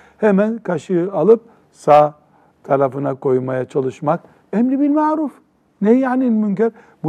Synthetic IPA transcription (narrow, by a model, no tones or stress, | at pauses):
hemænkʰaʃɯalˠɯp̚ | saː | t̪ʰaɾafɯnakʰo̞jmajat͡ʃʰalˠɯʃmak | ɛmlibiɾmaːɾuf | nejaːninmyɲcæɾ | bu